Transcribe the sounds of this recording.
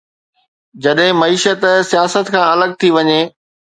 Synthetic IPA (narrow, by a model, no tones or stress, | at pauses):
d͡ʑɐɗɦɪ̃mɐiːʃət̪sijaːsət̪kʰãːɐləɡ̚t̪ʰiʋɐɲeː